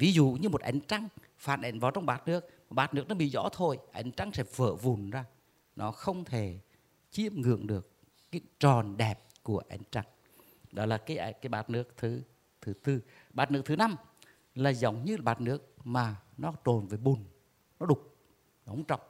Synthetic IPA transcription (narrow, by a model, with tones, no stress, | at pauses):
vi˨˦zṵ˧˨ɲɨ˧mo˨˩t̚ʔa̰˨˦jŋ̟t͡ɕa˧ŋ | faː˧˨nʔḛ˧˨nvaː˨˩wt͡ɕɔ˧wŋ͡mɓaː˨˩t̚nɨ˦˥ək̚maː˨˩ɓaː˨˩t̚nɨ˦˥ək̚nɔ˨˦ɓḭ˧˨zɔ̰˧˥t̪ʰo˧˩jʔa̰˨˦jŋ̟t͡ɕa˧ŋsɛ̰˧˥və̰ː˧˨vu˨˩nzaː˧ | nɔ˨˦xə˧wŋ͡mt̪ʰe˧˩ | t͡ɕi˧˥əmŋɨ̰˧˨əŋɗɨ˨˩əkː | aː˨˦jt͡ɕɔ˨˩nɗɛ˨˩p̚ku˧˩əʔa˨˦jŋ̟t͡ɕa˧ŋ | ɗɔ˨˦laː˨˩kaː˨˦jʔkaː˨˦jɓa̰ː˨˩t̚nɨ˦˥ək̚t̪ʰɨ˨˦ | t̪ʰɨ˨˦t̪ɨ˧ | ɓaː˨˩t̚nɨ˦˥ək̚t̪ʰɨ˨˦na˧m | laː˨˩zə˨˦wŋ͡mɲɨ˧laː˨˩ɓaː˨˩t̚nɨ˦˥ək̚maː˨˩nɔ˨˦t̪o˨˩nve˨˩ɓu˨˩n | nɔ˨˦ɗʊ˨˩k͡p̚ | nɔ˨˦ŋ͡mt͡ɕɔ̰˧˨wŋ͡m